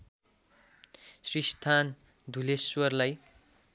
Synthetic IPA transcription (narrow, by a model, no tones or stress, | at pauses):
srist̪ʰan | d̪ʱuleswʌrlaj